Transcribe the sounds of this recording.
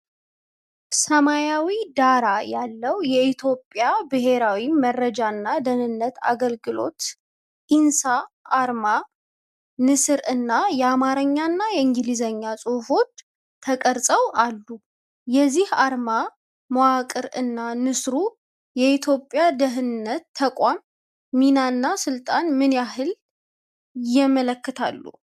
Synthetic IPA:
səmajawid̪aɾajalːəwjɛit̪ʰjo̞pʼːjabɨɦe̞ɾawimərəd͡ʒaɨnːad̪ənɨnːət̪a̰ɡəlɡɨlo̞̰t̪ | ʔinsaʔːɾma | nɨsɨɾɨnːajɛamaɾəɲːanːajɛɨŋɡɨlizəɲːasʼuhfo̞t͡ʃː | t̪ʰəkʼəɾsʼəwalːu | jɛzːihaɾma | mowakʼɨɾɨnːanɨsɾu | jɛit̪ʰjo̞pʼːjad̪əɦɨnɨnːət̪ʰːəkʷʼamː | inanːasɨlt̪ʼanmɨnjaɦɨl | jɛmələkːɨt̪ʰa̰lːṵ

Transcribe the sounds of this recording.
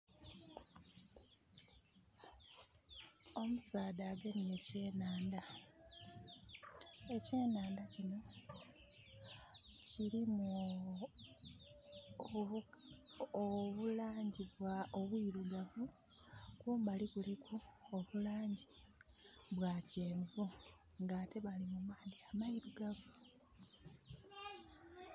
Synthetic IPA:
o̞musaːdaːɡenije̞ce̞ːnaːnda | e̞ceːnaːndacino̞ | ciɾimu | oβulaːɲɟiβwaoβwiːɾuɡavu | kwoːmbalikulikʰuoβulaːɲɟi | βwaceːɱvu | ŋɡaːte̞βalimumaːndiamaiɾuɡavu

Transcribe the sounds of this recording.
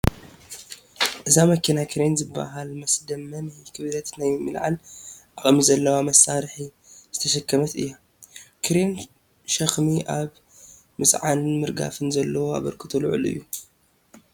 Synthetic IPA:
ʔɨzamɐkʰinakʰɨɾenzɨbːa̰ɦalmɐsd̪ɐmːɐnakʰɨβlɐt̪najmɨlʕa̰lʔaχʼmizɐlːɐwamɐsaɾħi | zɨ̥t̪ʰɐʃɐkʰːɐmɐt̪ɨ̰jːa | kʰɨɾen | ʃɐxmiʔaβ | mɨt͡sʼʕanmɨɾɡa̰fɨnzɐlːɐwoa̰βɐɾkʰɨt̪ʰulʕṵlɨ̰jːu

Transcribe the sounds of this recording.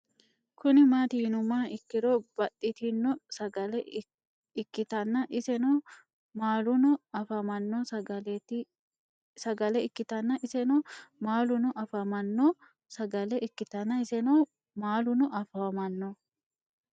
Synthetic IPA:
kʊnɪmaːt̪ɪhɪnʊmːaːɪkːɪɾoːbɐtːɪt̪inːɔsɐɡɐlɛ | kːɪt̪ɐnːɐʔɪsɛnɔ | maːlʊnʊɐfɐmɐnːoːsɐɡɐlɛt̪ɪ | sɐɡɐlɛɪkːɪt̪ɐnːɐʔɪsɛnɔmaːlʊnʊʔɐfɐmɐnːoː | sɐɡɐlɛʔɪkːɪt̪ɐnːɐɪsɛnoː | maːlʊnʊʔɐfɐwɐmɐnːo

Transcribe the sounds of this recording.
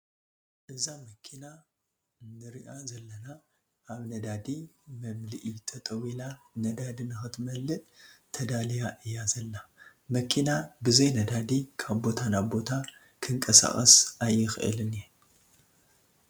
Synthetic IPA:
ʔɨzamɐkʰina | nːɨɾiʔazɐlːɐna | ʔaβnɐd̪ad̪imɐmlɨʔit̪ʰɐt̪ʼɐwila | nɐd̪ad̪inɨxɨt̪ʰmɐlːɨt̪ʼt̪ʰɐd̪alijaʔɨjːazɐlːa | mɐkʰinabɨzɐjnɐd̪ad̪ikʰaβbo̞t̪ʰanaβbo̞t̪ʰa | kʰɨŋkʼɐsa̰χʼɐ̰sʔajːɪxɨʔɨ̰lɨnen

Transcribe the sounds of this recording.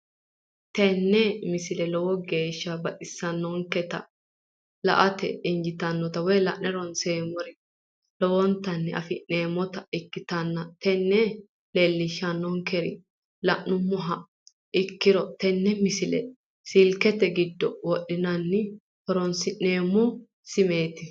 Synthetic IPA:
t̪ɛnːɛmɪsɪlɛlɔwɔɡe̞ːʃːɐbɐʔʼɪsːɐnːɔŋkɛt̪ɐ̰ | lɐ̰ʔɐt̪ɛ̰ɪnd͡ʒɪt̪ɐnːɔt̪ɐwɔjlɐʔnɛɾɔnseːmɔɾɪ | lɔwɔnt̪ɐnːɛʔɐfɪneːmɔt̪ɐɪkːɪt̪ɐnːɐt̪ɛnːɛ | lelːɪʃɐnːɔŋkɛɾɪ̰ | lɐʔnʊmːʊɦɐ | ɪkːɪɾɔt̪ɛnːɛmɪsɪlɛ̰ | sɪlkɛt̪ɛɡɪd̪ːɔwɔɗːɪnɐnːɪ | hɔɾɔnsɪʔneːmːʊ | sɪmeːt̪ɪ

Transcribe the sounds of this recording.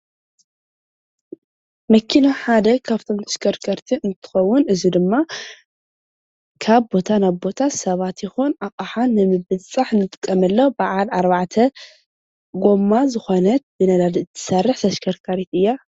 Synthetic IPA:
mɐkʰːinaħad̪ɐkʰaft̪ʰo̞mt̪ʰɐ̥ʃkʰɐɾkʰɐɾt̪ʰiʔɨnt̪ʰɨ̥xɐwːʊnɨzid̪ɨmːa | kʰaβbo̞t̪ʰanaβbo̞t̪ʰasɐβat̪jɪxunakʼaħanːɨmɨβɨt͡sʼaħnɨt̪ʼɨ̥kʼːɐmɐlːobaʕalaɾβaʕt̪ʰɐ | ɡo̞mːazɨxo̞nɐt̪̚bɨnɐd̪ad̪iɨt̪ʰːɨ̥sɐrːɨħt̪ʰɐʃkʰɐɾkʰaɾit̪ɨjːa

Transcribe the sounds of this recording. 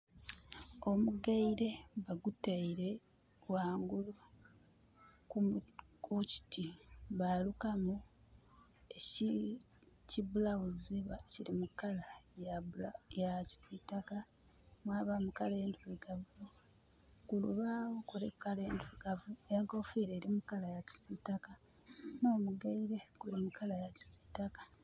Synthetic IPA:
o̞muɡaiɾe̞βaɡutaiɾe̞ | waːŋɡulu | kukuci̥tiβalukamu | ei | ciβulawuziβacilimukalajalajaci̥sitaka | mwaːβamukaleenduɾuɡavujo | kulṵβawokuɾekukaleːnduiɡavuejaɡofiɾe̞ːɾimukalajaci̥sitaka | no̞ːmuɡaiɾe̞ɡ̥uɾimukalajaci̥sitakḁ

